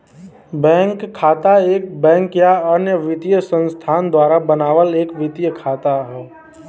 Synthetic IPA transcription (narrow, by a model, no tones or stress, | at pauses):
bɛ̃ːŋkʰːaːt̪aeːk̚bɛ̃ːŋkjaənjəʋɪt̪ijəsə̃nst̪ʰaːnd̪waːɾabənaːʋəleːkʋɪt̪ijəkʰaːt̪aɦɛː